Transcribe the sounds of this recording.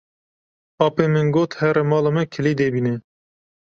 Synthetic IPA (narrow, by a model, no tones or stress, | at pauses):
ɑːpeːmɨnɡoːt̪hɛɾemɑːlɑmɨkʰɪlid̪ebiːnɛ